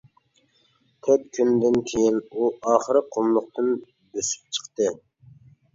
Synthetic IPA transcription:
k̪ʰøt̪̚kʲʰynd̪ɪnkʲʰejinuɑːχəɾɨqʰomlˠʊq̚t̪ɨn | bøsy̥p̚t͡ʃʰə̥qt̪ɨ

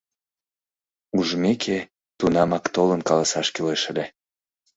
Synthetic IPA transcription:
uʒmekʰe | t̪unɑmɑkt̪olənkɑlɑsɑʃkyleʃəle

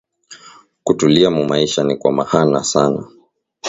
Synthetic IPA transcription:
kutuliamumaiʃanikwamahanasana

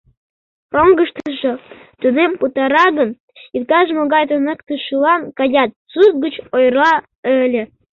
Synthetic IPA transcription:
roŋɡəʃt̪əʒot̪unemput̪ɑɾɑɣən | it̪kɑʒmoɣɑjt̪ənəkt̪əʃulɑnkɑjɑt̪̚t͡sut̪̚ɡət͡ɕojrlɑ | əlʲĕ

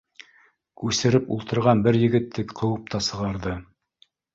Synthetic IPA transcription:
kʉsɘ̆ɾɘpṵlˠt̪ɤ̆ɾʁɑnbɘɾjɘ̆ɡɘ̆t̪ːɘkqʰɤ̆wɤp̚t̪ɑsɤ̆ʁɑɾðɤ

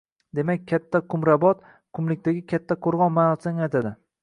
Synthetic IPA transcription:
d̪e̞makʲkʰʲːat̪ʰːakʰʊmɾabɒt̪ | kʰʊmlɪk̚ʲt̪aɡʲɪkʲʰat̪ʰːaqʰoɾʁɒnmanɒsanat̪ʰad̪ɪ

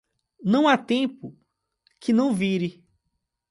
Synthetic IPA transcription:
nɐ̃w̃at̪ẽpʊ | kʰɪnɐ̃w̃viɾɪ

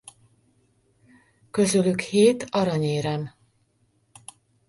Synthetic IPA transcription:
kø̞zylykheːt̪ɒɾɒɲeːɾɛm

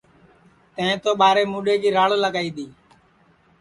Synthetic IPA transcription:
t̪ə̃ɪ̃ːt̪oːɓaːɾeːmuːɗeːkiːɾaːɭːləɡaːiːd̪iː

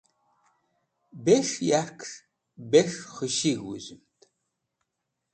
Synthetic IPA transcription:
beʂjakʰʂ | beʂχəʃiɣwṵzɨmtʼ

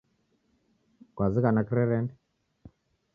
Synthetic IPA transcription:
kwazikanakiɾɛɾɛndɛ

